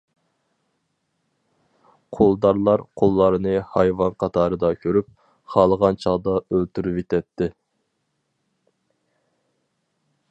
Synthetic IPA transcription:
qʰolˠd̪ɑɾlˠɑɾqʰolˠːɑɾnɨhɑjvɑnqʰɑt̪ʰɑːɾɨd̪ɑkʲʰøɾyp̚ | χɑːlˠəʁɑnt͡ʃʰɑd̪ɑølt̪yɾypet̪ʰɛt̪ʰːɪ

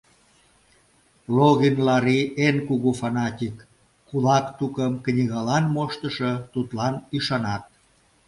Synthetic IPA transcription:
loɣinlɑɾiʔenkuɣufɑnɑt̪ʲikː | ulɑkt̪ukəmknʲiɣɑlɑnmoʃt̪ə̆ʃət̪ut̪lɑnyʃɑnɑt̪̚

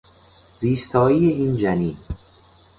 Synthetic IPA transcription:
ziːst̪ʰɒːiːjeiːnd͡ʒæniː

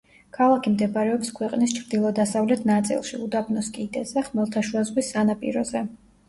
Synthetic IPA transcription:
kʰalˠakʰimd̪ɛbaɾɛɔpskʰwɛqʼnist͡ʃʰɾd̪ilˠɔd̪asavlɛt̪ʰnat̪sʼḭlˠʃiud̪abnɔskʼiːd̪ɛzɛχmɛlˠt̪ʰaʃuazʁwisːanapʼḭɾɔzɛ

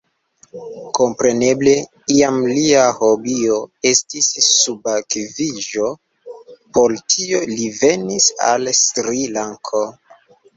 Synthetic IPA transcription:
ko̞mpɾe̞ne̞ble | iamliaho̞bio̞e̞stisːubakviʒo̞ | po̞ltʰio̞live̞nisa̰lstɾilaŋkʰo̞

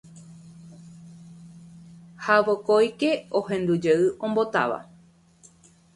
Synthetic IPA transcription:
haʋokojke̞o̞ɦẽ̞nd̪ud͡ʒeɨʔõ̞mbo̞t̪a̰ʋa̰

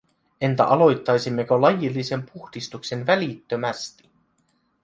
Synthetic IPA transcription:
e̞nt̪æ̰ʔɑlo̞jt̪ːɑjsimːe̞kølɑjilːise̞mpuxd̥ist̪ukse̞nʋælit̪ːømæst̪i̥

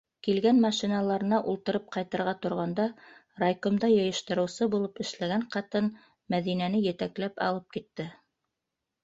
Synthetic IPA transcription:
kilɡænmɑʃinɑlˠɑɾɤ̆nɑʔulˠt̪ɤ̆ɾɤp̚qɑjt̪ɑ̆ɾʁɑt̪ŏɾʁɑnd̪ɑ | rajkomd̪ɑjɤ̆jɤ̆ʃt̪ɤ̆ɾɤ̆wsɤbulˠɤpɘ̆ʃlæɡæɴqɑt̪ɤn | mæðinænɘjɘ̆t̪æklæpɑ̰lˠɤp̚kit̪ːɘ

